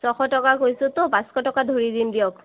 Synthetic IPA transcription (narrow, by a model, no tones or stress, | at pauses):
sɔxɔtɔkakojsʊtʊbãskɔtɔkadʱoɹidindijɔk